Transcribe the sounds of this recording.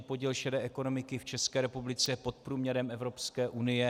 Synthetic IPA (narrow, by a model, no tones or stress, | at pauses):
ipo̞ɟiːlʃɛdɛːʔɛko̞no̞mɪkɪft͡ʃɛskɛːɾɛpublɪt͡sɛpo̞t̪̚pɾuːmɲɛɾɛmʔɛvɾo̞pskɛːʔunɪjɛ